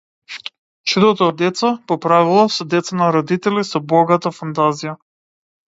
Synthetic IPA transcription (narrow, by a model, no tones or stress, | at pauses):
t͡ʃud̪ɔt̪ɔːd̪ɛt̪sapɔpɾavilˠɔsɔd̪ɛt̪sanaɾɔd̪it̪ɛlisɔbɔɡat̪afant̪azija